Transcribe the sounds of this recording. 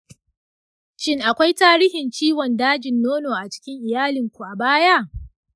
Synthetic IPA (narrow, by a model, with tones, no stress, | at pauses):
t͡ʃɪ˦ŋʔa˨kʷa˦jtaː˦ɾiː˦hɪ˨nt͡ʃiː˦wɔ˨ndaː˦d͡ʒɪ˨nːoː˦noː˨ʔa˨t͡ʃɪ̥˦kʲɪ˦ŋʔɪ˨jaː˦lɪ˨ŋkʷu˨ʔa˨baː˦ja˦ʔ